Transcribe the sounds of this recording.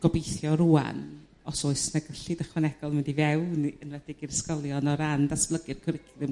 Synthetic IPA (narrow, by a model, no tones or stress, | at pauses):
ɡ̥ɔbejθjɔɾuːa̰n | ɔsoɨsnaɡəɬidəχwanɛɡ̥ɔlˠməndivɛwnənvɛdɪɡirskɔlˠjɔnɔɾandasb̥lˠəɡɨrkʰəɾɪkʰðɪm